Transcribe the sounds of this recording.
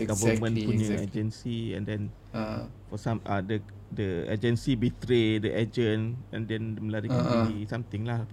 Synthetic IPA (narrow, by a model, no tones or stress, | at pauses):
ɡavəmə̃npuɲə̃ad͡ʒənsiɛ̰̃ndɛ̃n | fɔsãmadə | dəa̰d͡ʒənsibit̪ɾedəʔad͡ʒənɛ̰̃ndɛndəmə̃laɾikaniisamt̪ɪŋlah